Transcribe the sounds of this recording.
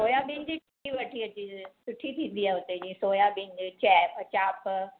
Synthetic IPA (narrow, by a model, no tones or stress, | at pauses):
soːjãbɪ̃ɲd͡ʑi | iʋɐʈʰiɐt͡ɕisʊʈʰːit̪ʰĩːnd̪iaːɦʊt̪ed͡ʑĩːsoːjãbɪ̃ɲd͡ʑt͡ɕɛːpt͡ɕaːp